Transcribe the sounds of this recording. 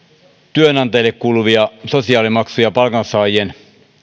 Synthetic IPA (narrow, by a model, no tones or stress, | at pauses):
t̪yønɑnt̪ɑjlːekkːuːluʋiɑsosiɑːlimɑksujɑpɑlkɑnsɑːjien